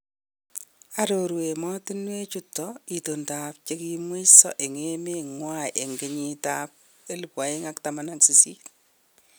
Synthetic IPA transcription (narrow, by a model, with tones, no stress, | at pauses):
aɾoɾwe˨mɔ˦ti˦nwe˦t͡ʃutːɔi˨tonta˨p̚t͡ʃeki˦mwi˦sɔ̰˦ʔe˨ŋe˦me˦ŋwajʔe˨ŋɡe˨ɲi˦tap̚ | e˦li˨pwa˨ɪ˦ŋaktamana˦ŋsi˨si˦t